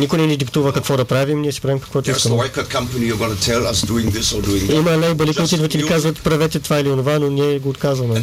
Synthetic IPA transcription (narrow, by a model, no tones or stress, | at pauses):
nikʊjnɛnid̪ikt̪uvəkɐkvɔd̪ɐpɾavimniɛsɛ̥pɾavimkɐkvɔt̪ʊiskɐmɛwaɪkʰɔd̚kʰɐ̃mpɐnijɔɡɔnətʰɛlˠɐsduɪ̃ŋðɪsɔduɪ̃ŋimɐnajbɐlikoːt̪id̪vət̪ɛlikazvət̪pɾɐvɛt̪ɛt̪vailionovanonʲiɛɡoːt̪kazvɐmɛ